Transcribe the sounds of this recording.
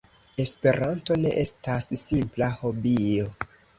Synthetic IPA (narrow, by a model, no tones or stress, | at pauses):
e̞spe̞ɾanto̞ne̞ʔe̞stasːimplaho̞bio̞